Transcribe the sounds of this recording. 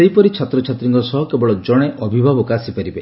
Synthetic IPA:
eipɔɾit͡ʃʰat̪ɾɔt͡ʃʰat̪ɾiŋkɔsɔɦɔkebɔɭɔd͡ʒɔɽ̃eʔɔbʱibʱabɔkaːsipaɾibe

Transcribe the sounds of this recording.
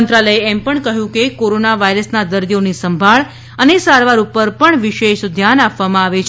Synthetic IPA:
nt̪ɾaləjeɛmpəɳkəɦjũkekoɾonaʋaiɾəsnad̪əɾd̪ionisəmbʱaɭ | ənesaɾʋaɾupəɾpəɳʋiʃeʃd̪ʱjanapʋamãaʋet͡ʃʰ

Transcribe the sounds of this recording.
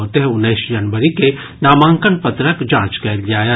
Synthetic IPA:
ot̪eɦɛ̃ʊnːəːsd͡ʒɐnʋəɾike | naːmãːŋkənpɐt̪ɾəkd͡ʒãːt͡ʃkɛːɾɡaːja

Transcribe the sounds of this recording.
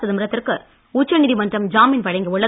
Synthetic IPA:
sɐðɯmɪɾɐt̪ːɪrkɯ | uːt͡ʃːɐnɪðimɐndrɐmd͡ʒaːmɪnpɐɻɐɪŋɡɐʊɭːɐ

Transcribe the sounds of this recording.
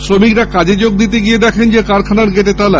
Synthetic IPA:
sɾomikɾakad͡ʑed͡ʑoɡ̚d̪it̪̬eɡijed̪ɛkʰend͡ʑekaɾkʰanaɾɡeʈet̪ala

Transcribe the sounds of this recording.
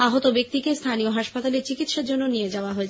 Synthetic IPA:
aɦot̪obekt̪ikest̪ʰanioɦaʃpat̪aleɾt͡ɕikit̪ʃaɾd͡ʑonːonied͡ʑaoaɦoet͡ɕʰ

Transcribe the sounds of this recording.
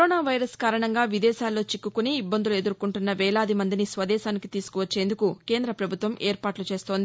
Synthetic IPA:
oːnaːʋɐjɾɐskaːɾɐɳɐŋɡaːʋid̪ɛːʃaːlːo̞ːt͡ʃikːukuniːbːɐnd̪ulue̞d̪uɾkuɳʈunːɐʋɛːlaːd̪imɐnd̪inisʋɐd̪ɛːʃaːnikit̪iːsu̥kuʋɐt͡ʃːeːnd̪ukuke̞ːnd̪ɾɐpɾɐbʱut̪ʋɐmeːɾpaːʈlut͡ʃe̞ːst̪o̞ːnd̪ii

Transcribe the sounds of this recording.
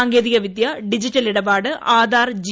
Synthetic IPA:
aːŋɡeːðiɣɐʋid̪jɐɖid͡ʑitːɐliɽɐbaːɽɨʔaːd̪aːrd͡ʑ

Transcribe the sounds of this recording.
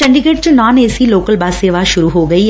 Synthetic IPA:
sɐɳɖɪɡeːʈt͡ʃnaːneːsiloːkɐlbaːseːʋaːʃʊɾuɦoːɡɐi

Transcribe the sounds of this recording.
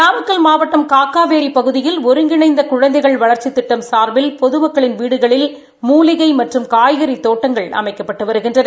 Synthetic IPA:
naːmɐkːɐlmaːʋɐʈːɐmkaːkːaːʋeːɾipɐɣɯðɪjɪlɔɾɯŋɡɪɳɐɪnd̪ɐkʊɻɐnd̪ɐɪɣɐɭʋɐɭɐɾt͡ʃit̪ːɪʈːɐmsaːɾʋɪlpɔðɯmɐkːɐɭɪnʋiːɽɯɣɐɭɪl | muːlɪɣɐɪmɐʈrɯmkaːjɣɐɾit̪ːoːʈːɐŋɡɐɭɐ̰mɐɪkːɐpːɐʈːɯʋɐɾɯɣɪndrɐnɐ

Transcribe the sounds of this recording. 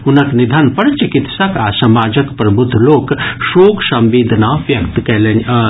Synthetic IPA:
ʊnɐknid̪ʱanpɐɽt͡ʃikɪt̪sɐkaːsɐmaːd͡ʒəkpɾɐbʱud̪ʱːloːkʃoːksɐ̃mʋiːd̪ʱnaʋjɐkt̪kɛlen

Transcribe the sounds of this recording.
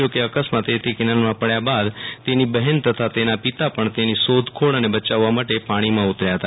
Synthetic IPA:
okeəkəsmat̪et̪ekɪnəlmãpəɽjabad̪t̪enibəɦɛnt̪ət̪ʰat̪enapɪt̪apəɳt̪enisod̪ʱkʰoɭənebət͡ʃaʋːamaʈepaːɽ̃imãʊt̪ɾjaɦət̪a

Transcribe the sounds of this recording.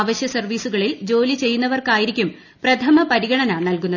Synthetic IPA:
ʋɐɕjɐsɐrʋiːsuɣɐɭild͡ʑo̞ːlit͡ɕe̞jːunːɐʋɐrkaːjiɾikʲːum | prɐt̪ʰɐmɐpɐɾiɣɐɳɐnaːɳnɐlkunːɐ

